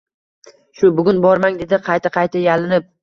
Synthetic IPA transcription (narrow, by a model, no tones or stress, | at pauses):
ʃʊbʊɡʲʊnbɒɾmaŋd̪e̞d̪ɪqʰɑjt̪ʰaqʰɑjt̪ʰajalɪnɪp̚